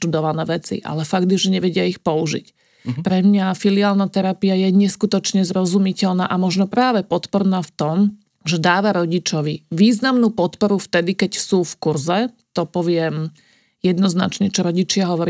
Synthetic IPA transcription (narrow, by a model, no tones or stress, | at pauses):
t̪ud̪ɔʋanɛːʋɛt͡sḭʔa̰lɛfaɡd̪ʒɛɲɛʋɛɟɪaixpɔuʒḭc | pɾɛmɲafiliaːlnat̪ɛɾapiajɛɲɛskut̪ɔt͡ʃɲɛzɾɔzumicɛʎnaːʔamɔʒnɔpɾaːʋɛpɔt̪pɔɾnaːft̪ɔm | ʒɛd̪aːʋaɾɔɟit͡ʃɔʋiʋiːznamnuːpɔt̪pɔɾuft̪ɛd̪ikɛcsuːfkuɾzɛt̪ɔpɔʋɪɛm | jɛd̪nɔzna̰t͡ʃɲɛt͡ʃɔɾɔɟit͡ʃɪaɦɔʋɔɾ